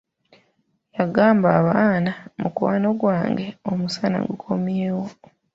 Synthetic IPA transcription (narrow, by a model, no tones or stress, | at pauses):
jaɡaːmbaːβaːnamukuwaːno̞ɡwaːŋɡe̞omusana̰ŋɡukʰo̞mjeːwo